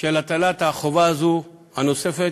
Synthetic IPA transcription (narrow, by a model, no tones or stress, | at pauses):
kelat̪alat̪aχovaːzu | hanosefe